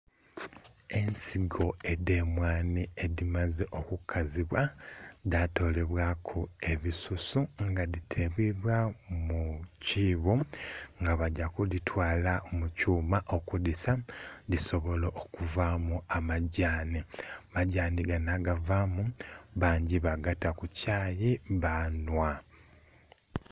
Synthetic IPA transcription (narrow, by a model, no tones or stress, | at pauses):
e̞nsiɡo̞e̞de̞mwaːnieðimazeʔo̞kukʰaziβwadato̞ːle̞βwakʰue̞βisusuŋɡaðitʰe̞βwiβwamuciːβoŋɡaβaɟakulitwaːlaomucuːmaʔo̞kudisadiso̞βo̞loʔokuvamuamaɟaːnimaɟaːniɡanaɡavaːmuβaːɲɟiβaɡatakucaːjeβanwa